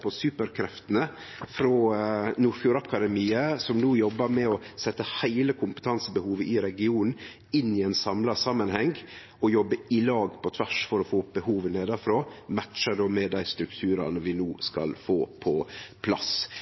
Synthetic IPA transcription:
pʰɔsʉːpəɾkʰɾɛft̪ənə | fɾɔːnuːɾfjuːɾɑkɑd̪ɛmiːəsɔmnuːjɔbːəɾmɛɔsɛt̪ːəhæɪləkʰʊmpət̪ʰɑnsəbəhuːʋəʔɪɾɛɡɪuːnn̩ | ɪnːɪɛnsɑmlɑsɑmənhɛŋɡ | ɔjɔbːəɪlɑːɡpʰɔt̪ʰʋæʂfɔɾɔfoːb̥əhuːʋəneːd̪ɑfɾoːmæt̪ːʃəd̪oːmɛd̪æɪst̪ɾʉkt̪ʰʉːɾɑ̰nəʋɪnuːskɑ̰lfoːpʰɔpʰlɑ̰s

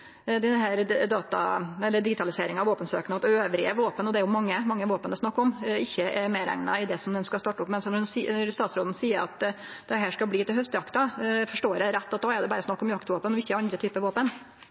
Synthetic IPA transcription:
d̪ɛnɦæːɾd̪ɑːt̪ɑ̰ɛlːəɖɪɡɪt̪ʰɑlɪseːɾɪŋɑʋoːpənsøːkənəɑt̪øːʋɾɪəʋoːpənɔd̪ɛæɾjʊmɑŋːəmɑŋːəʋoːpənəsnɑkːɔmɪçːəɛmeːɾæ̰ŋnɑ̰ɪd̪ɛsɔmd̪ɛnskɑst̪ɑːʈːʊpːmɛnsɔnɔsiɾst̪ɑːt̪sɾoːd̪n̩siːəɾɑ̰t̪ | d̪ɛɦæːʂkɑlbliːt̪ɪlhœst̪jɑkt̪ɑfɔʂʈoːɾɛɾɛt̪ːɑt̪̚d̪ɑːɛɾd̪ɛbɑːɾəsnɑkːɔmjɑkt̪ʋoːpənɔʋɪçːəæɾɑnd̪ɾət̪ʰyːpəʋoːpən

